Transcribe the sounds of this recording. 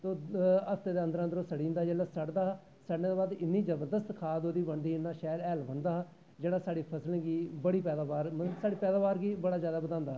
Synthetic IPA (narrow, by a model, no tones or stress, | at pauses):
t̪oːəst̪eːd̪eːə̃nd̪əɾənd̪ɾoːsəɽĩːnd̪aːd͡ʒeːlaːsəɽd̪aːɦː | səɽned̪oːbaːd̪ɪnːiːd͡ʒəbəɾd̪əst̪kʰaːd̪oːd̪iːbəɳd̪iːɪnːaːʃɛːlɛːlbənd̪aːɦ | d͡ʒeːɽaːsaːɽiːpʰəsəlɡiːbəɽiːpɛːd̪aːbaːɾsaːɽiːpɛːd̪aːbaːɾɡiːbəɽaːzjaːd̪aːbəd̪ãːnd̪aːɦ